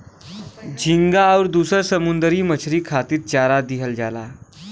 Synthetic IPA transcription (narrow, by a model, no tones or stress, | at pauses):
d͡ʑʱiŋɡaːwɾd̪usəɾsəmund̪əɾiːmət͡ɕʰɾiːkʰat̪iːɾ̚t͡ɕaɾad̪iɦəld͡ʑala̰